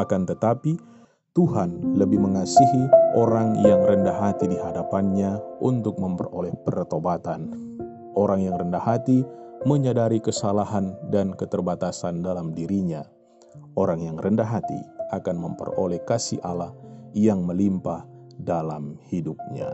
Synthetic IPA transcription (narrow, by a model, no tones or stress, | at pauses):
akant̪ət̪api | t̪uɦanləbɪhməŋasiɦiʔoɾaŋjaŋrəndaɦat̪idiɦadapanɲaʔunt̪ʊk̚məmpə̰ro̰lɛhpərt̪obat̪an | ʔoɾaŋjaŋrəndahɦat̪iməɲadaɾikəsalaɦandankət̪ərbat̪asandalamdiɾiɲa | ʔoɾaŋjaŋrəndaɦat̪ḭakanməmpə̰ro̰lɛhkasiʔalahjaŋməlimpahdalamhidup̚ɲa̰